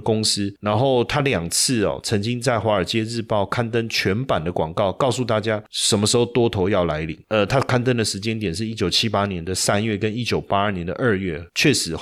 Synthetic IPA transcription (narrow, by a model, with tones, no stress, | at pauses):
kʊ˥ŋs̩˥na˧˥nxo˥˩ʊt̪ʰa˥ljɑ˨˩ŋt͡s̩ʰ˥˩ɔ̰˩t͡sʰə˧˥ŋt͡ɕi˥ŋt͡sa˥˩ɪxwa˧˥ə˞˨˩t͡ɕjɛ˥ɻɻ̩˥˧pɑ˥˩ʊkʰa˥nt̪ə˥nt͡ɕʰɥɛ˧˥npa˨˩nd̪ə˦kwɑ˨˩ŋkɑ˥˩ʊkɑ˥˧ʊsu˥˧t̪a˥˩t͡ɕja˥ʂə˨˩nmə˦ʂɻ̩˧˥xo˥˧ʊt̪wɔ˥t̪ʰo˧˥ʊjɑ˥˩ʊla˧˥ɪli˨˩˦ŋə˧t̪ʰa˥kʰa˥˧nt̪ə˥nd̪ə˨ʂɻ̩˧˥t͡ɕjɛ˥nt̪jɛ˨˩nʂ̬ɻ̩˥˩i˦˥t͡ɕjo˨˩ʊt͡ɕʰi˦˥pa˥njɛ˧˦nd̪ə˨sa˥nɥɛ˥˩kə˦˥ni˥t͡ɕjo˨˩ʊpa˥ə˞˥˨˩njɛ˧˦nd̪ə̰˨ʔə˥˧ɥɛ˥˩t͡ɕʰɥɛ˥˩ʂɻ̩˧˥